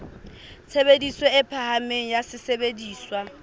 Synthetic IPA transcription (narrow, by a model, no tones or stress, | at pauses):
t͡sʰebedisweɪpʰahameŋ̩jasɪsebediːswa